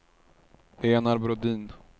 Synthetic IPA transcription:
eːnaɾbɾʊd̪iːn

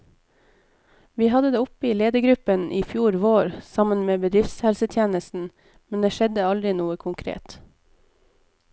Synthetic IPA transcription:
ʋiːhɑd̪əd̪eːʊpiːleːd̪əɡɾʉpənʔiːfjuːɾʋoːɾsɑmənmeːbəd̪ɾɪft̪shɛlsət̪ʰjeːnəst̪n̩ | mɛnd̪eːʃɛd̪əɑld̪ɾɪnuːəkʰʊŋkʰɾḛːt̪

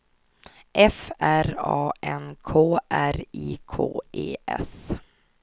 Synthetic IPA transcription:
ʔɛfæɾɑːʔɛnkʰoːʔæɾiːkʰoːʔeːʔɛ̰s

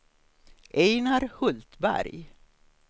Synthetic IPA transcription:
ɛjnaɾhɵlt̪bæ̰ɾj

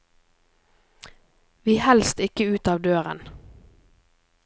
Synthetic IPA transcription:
ʋiːhɛlst̪ɪkəʉːt̪ɑːʋd̪øːʁə̰n

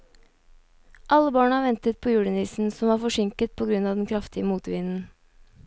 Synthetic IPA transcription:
ʔɑlːəbɑːɳəɑʋɛnt̪ət̪̚pʰoːjuːɖəniːsn̩sɔmʋɑːfɔʂɪŋkət̪̚pʰoːɡɾʉnɑːʋd̪ɛn̩kʰɾɑft̪ɪəmuːt̪əʋɪnn̩

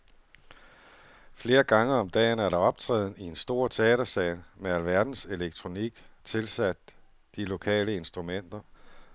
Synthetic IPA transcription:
fle̝ːɐɡ̥ɑ̈ŋəɒ̽md̥ɛ̰ːnæɐɾɑ̈ɒ̽b̥̚t͡sʰʁɛ̰ːðˠn̩ie̝nsd̥o̝ɐ̰t͡sʰe̝ɛ̰ːɾ̥ɐsɛ̰ːnmeælʋæɐd̥n̩se̝leɡ̥̚t͡sʰʁo̝niɡ̥t͡sʰe̝lsæd̥ː | ilo̝kʰɛ̰ːləe̝nsd̥ʁumen̰d̥ɐ

